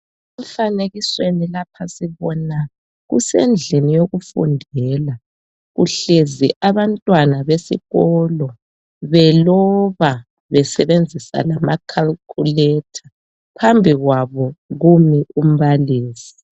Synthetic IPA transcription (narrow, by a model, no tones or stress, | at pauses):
ɛɱ̩faneɣiswenilapʰasiβɔna | ɣṵsḛnd͡ɮʱinijoɣufṵndʱɛːla | ɣuɬeziʔaβantʼwanaβesḭɣɔlɔ | βɛlɔβa | βɛsɛβend͡zʱisa̰lamakʰalkʰulɛtʰḁ | pʰambʱiɣwaβɔɣumiʔum̩βaliːsi̥